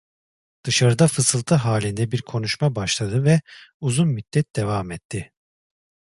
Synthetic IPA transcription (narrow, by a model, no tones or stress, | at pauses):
d̪̥ɯʃaɾɯd̪afɯsɯlˠt̪ʰɯɦaːlʲind̪ɛbiɾkʰo̞nuʃmabaʃlˠad̪ɯvɛuzunmyt̪ːɛt̪̚d̪e̞vaːmɛt̪ʰːɪ